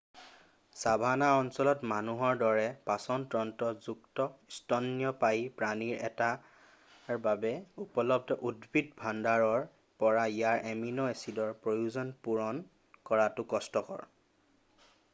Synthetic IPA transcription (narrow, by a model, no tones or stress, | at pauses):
sabʱanaɔnsɔlɔtmanuɦɔɹdɔɹɛpasɔntɹɔntɔzuktɔstɔnːijɔpajpɹaniɹɛ̰ta | ɹbabɛupɔlɔb̚tɔʔudbʱidbʱandaɹɔɹ | pɔɹaijaɹʔeminɔesidɔɹpɹojuzɔnpuɹɔn | kɔɹatʊkɔstɔkɔ̰ɹ